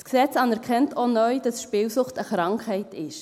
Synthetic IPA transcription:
sksɛt͡sɑnɛɾkʰɛntʰonœʏd̥ɑsʃpɪːwsʊχtəχɾɑŋkχhɛɪtɪʃ

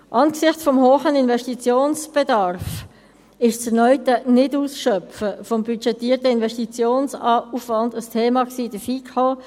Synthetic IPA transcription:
ʔɑnɡsɪχtt͡sfɔmhoːχəninvɛʃtit͡sjoːnsb̥ɛdɑɾf | ɪʃt͡sɛnœʏtənɪduːsʃœpfəfɔmbyt͡ʃɛtiːtəɪnvɛʃtit͡sjoːnsɑːufvɑndəstʰeːmɑksiːd̥əfiːkʰo

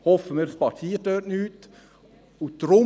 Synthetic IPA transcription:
hɔfəmiːdspɑt͡sʰiːədøːtnyːt̪ | ʊd̪̥ɾʊ

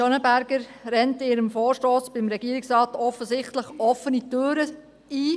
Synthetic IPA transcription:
ɔnəbæɾɡəɾɾɛntɪːɾəmfoːɾʃtoːsb̥ɪmɾɛɡ̥iəɾɪksɾɑːtɔfəsɪχtləχɔfənitøːɾə | iː

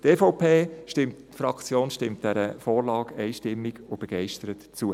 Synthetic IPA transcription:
tɛfɔʊpʰeːʃtɪmtː | fɾɑkt͡sjoːnʃtɪmt̚d̥ɛɾəfoːɾlɑːɡɛɪʃtɪmːiɡob̥eɡ̥ɛɪʃtəɾətt͡suə

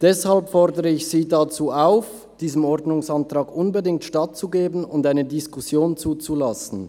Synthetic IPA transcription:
d̥ɛshalpfɔʁdəʁəɪçsiːdat͡suːaʊf | d̥iːzəmɔʁdnʊŋsantʁ̥aːɡʔʊnbədɪŋk̚tʃtat̚t͡suɡeːbən̩ʊndaɪnədɪskʰʊsjoːnt͡suːt͡sulasn̩

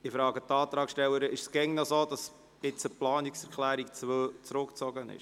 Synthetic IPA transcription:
ɪfɾɑːɡət̪ɑːt̪ɾɑːkʃtɛwəɾəʔɪʃsɡ̥ɛŋnɔsoːd̪ɑs | ɪt͡səplɑːniksɛɾkʰlæːɾikt͡st͡sɾʊkt͡sɔɡənɪ̰ʃ

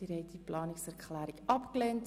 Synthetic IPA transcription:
iɾɛɪtiplɑːnɪksɛrkχlæːɾɪkɑpklent

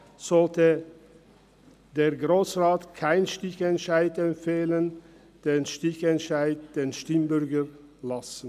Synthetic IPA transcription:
z̥ɔltə | d̥eːɐɡʁoːsʁaːtkʰaɪnʃtɪçɛntʃaɪtɛmfeːlən | d̥eːnʃtɪçɛntʃaɪt̚d̥eːnʃtɪmbʏʁɡə | lasn̩

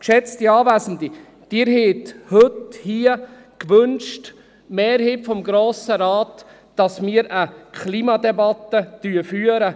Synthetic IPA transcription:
kʃɛt͡stiɑːvæːzn̩di | d̥ɪːɾɦeːt̪hɵthiə | kʋɵnʃt | mɛːɾhiːpfɔmɡɾoːsəɾɑːt | d̥ɑsmiːəɾəkʰliːmɑdɛbɑtːətyəfyːəɾə

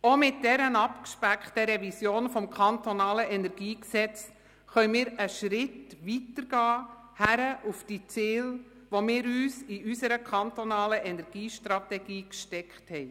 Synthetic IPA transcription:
omɪt̚dɛɾənɑpkʃpækχtəɾɛvisjoːnfɔmkʰɑntonɑːləʔɛnɛɾɡiːksɛt͡s | χœnmɪːɾəʃɾɪtʋitəɾɡ̥ɑː | hæɾəʔufd̥iːt͡sɪːl | ʋomɪːɾyːsiysəɾəkʰχɑntonɑːləʔɛnɛɾɡ̥iːʃtɾɑt̪ɛɡ̥iːkʃtɛkχthɛɪ

